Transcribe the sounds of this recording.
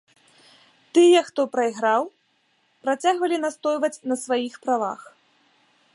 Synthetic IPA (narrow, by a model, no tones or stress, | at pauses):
t̪ɨjɛxt̪ɔpɾɐiɣɾaw | pɾat͡sʲaɣvɐlʲinast̪ɔjvɐt͡sʲnɐsvajixpɾava̰x